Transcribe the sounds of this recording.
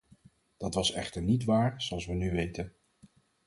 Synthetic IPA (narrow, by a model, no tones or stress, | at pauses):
d̥ɑtʋɑsɛχtəɹnitʋaːɹz̥oɑlˠsʋənyʋejtən